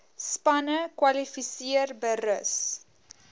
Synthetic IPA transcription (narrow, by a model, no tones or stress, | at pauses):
spɐnəkwɐlifisiərbəɾəs